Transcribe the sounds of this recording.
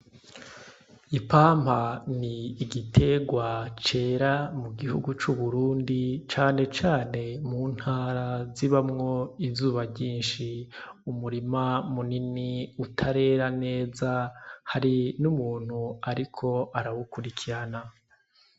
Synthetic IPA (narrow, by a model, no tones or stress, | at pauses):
ipaːm̥haniːɡitʰe̞ɡwat͡ʃe̞ːɾamuɡihṵɡut͡ʃuβuɾuːndit͡ʃaːne̞t͡ʃaːne̞muːn̥haːɾaziβamŋo̞izuːβaɟiːnʃiumuɾimamuniniutʰaɾe̞ːɾane̞ːzahaɾinumuːn̥huaɾikʰo̞aɾawukuɾikʰiɾana